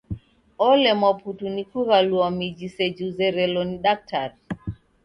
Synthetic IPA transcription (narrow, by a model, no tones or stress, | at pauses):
ɔlɛmaputunikuɣaluamid͡ʒisɛd͡ʒuzɛɾɛlɔniɗak̚taɾ